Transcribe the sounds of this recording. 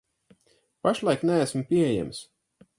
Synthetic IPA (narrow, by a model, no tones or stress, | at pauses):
paʃlˠajknææsmpʲiejæ̰ms